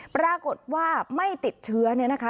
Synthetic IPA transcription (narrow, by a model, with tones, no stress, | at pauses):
pɾaː˧ko˨˩t̪̚waː˥˩ma˥˩jt̪i˨˩t̪̚t͡ɕʰɯ˦˥ɐni˥˩ɐna˦˥kʰa˦˥